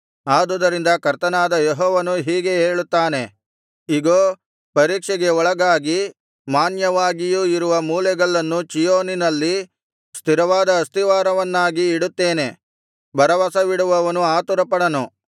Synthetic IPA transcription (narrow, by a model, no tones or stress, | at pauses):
aːd̪ud̪ɐɾind̪ɐkɐɾt̪ɐnaːd̪ɐjeɦɔːʋɐnuɦiːɡe̞eːɭut̪ːaːne̞ | iɡoː | pɐɾiːkʂɛɡeɔɭɐɡaːɡi | maːnjɐʋaːɡijuiɾuʋɐmuːlɛɡɐɭːɐnːut͡ʃijoːninɐlːi | st̪iɾɐʋaːd̪ɐːst̪iʋaːɾɐʋɐnːaːɡiːɽut̪ːeːne̞ | bʱɐɾɐʋaːsɐʋiɽuʋɐʋɐnuaːt̪uɾɐpɐɽɐnu